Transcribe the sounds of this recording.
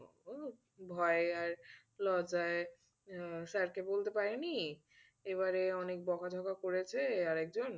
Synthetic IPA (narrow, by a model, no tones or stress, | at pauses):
bʱɔeaɾ | lɔd͡ʑae | saɾkebolt̪epaɾeni | eβaɾeɔnek̚bɔkʰad̪ʱɔkakoɾet͡ɕʰeaɾɛk̚d͡ʑon